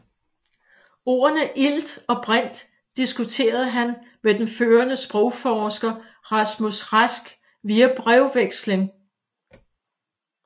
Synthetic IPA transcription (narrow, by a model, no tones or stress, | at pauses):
o̝̰ːɐnəʔil̰d̥ɒ̽b̥ʁan̰d̥ː | isɡ̥ut͡sʰe̝̰ːɐð̞̩ˠəɦæn | ʋed̥enføːɐnəsb̥ʁɔʊfɒːsɡ̥ɐ | ʁɑsmusʁasɡ̥ | ʋiːæb̥ʁɛʊʋeɡ̥sleŋ